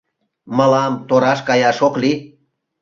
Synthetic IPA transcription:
mɑlɑmt̪oɾɑʃkɑjɑʃokli

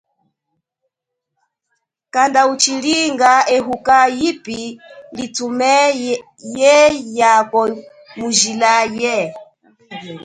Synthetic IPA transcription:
kandaut͡ʃiliŋɡaɛɦukajipilitumɛ | jɛjakɔ | muʒilajɛ

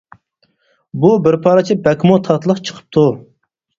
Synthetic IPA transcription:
bubɪɾpʰɑːɾɨt͡ʃʰibɛkʲmut̪ʰɑt̪lˠəqt͡ʃʰə̥qʰə̥p̚t̪ʰu

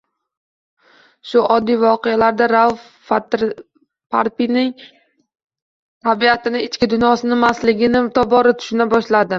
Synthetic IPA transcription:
ʃʊʔɒd̪ːijvɒqejalaɾd̪aɾaw | at̪ɾ | paɾpinɪŋ | t̪ʰabiat̪ʰɪnɪɪt͡ʃkʲɪd̪ʊnjɒsɪnɪmaslɪɡʲɪnɪt̪ʰɒbɒɾɪt̪ʰʊ̥ʃɪnabɒʃlad̪ɪ

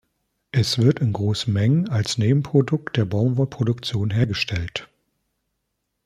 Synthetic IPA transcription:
ʔɛsv̥ɪɐtɪnɡʁoːsn̩mɛŋənalsneːbm̩pʁ̥odʊk̚t̚d̥eːɐbɔʊmvɔpʁ̥odʊkt͡sjoːnɦeːɐɡəʃtʰɛlt

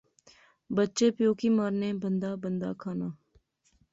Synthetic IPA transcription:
bətːʃeːpjoːkiːmaːɾneːbənd̪aːbənd̪a̰ːkʰaːnaː

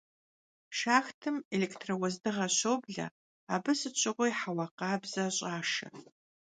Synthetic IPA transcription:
ʃaːxtʰɨmelekʰtʰrɐwɐzdɨʁɐɕowbɮɐ̰ | aːbɨsɨt͡ʃʷʰʼɪʁʷʊjħawɐqɑːbzɐɕʼaːʃɐ̰

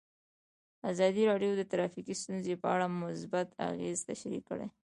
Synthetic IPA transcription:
azɑd̪iɾɑɖjod̪ət̪ɾɑfikist̪unzepəaɽamʊsbat̪a̰ɣḛzt̪aʃaɾḭkːə̰ɽḛ

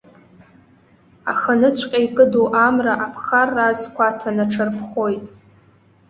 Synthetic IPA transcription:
a̰χanɨt͡ɕʷʰʼqʲʼaikʼɨduʔamraʔapʰχarːazkʷatʰanaʈ͡ʂʰɨrpʰχo̞jtʼ

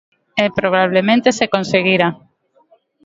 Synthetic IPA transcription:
epɾoβ̞aβ̞lemẽnt̪esekonseɣiɾa

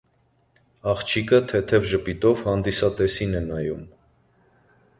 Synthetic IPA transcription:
ɑχt͡ʃʰikət̪ʰɛt̪ʰɛvʒəpit̪ɔvhɑnd̪isɑt̪ɛsinɛnɑjṵm

